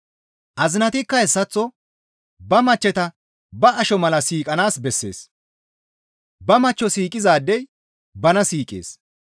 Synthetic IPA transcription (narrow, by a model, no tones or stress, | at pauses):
ʔɐzɪnɐt̪ɪkːɐɛsːɐt͡sːɔ | bɐmɐt͡ʃːɛt̪ɐ | bɐɐʃɔmɐlɐsiːkʼɐnaːsbɛsːe̞̰ːs | bɐmɐt͡ʃːɔsiːkʼɪzaːd̪ːɛj | bɐnɐsiːkʼḛːs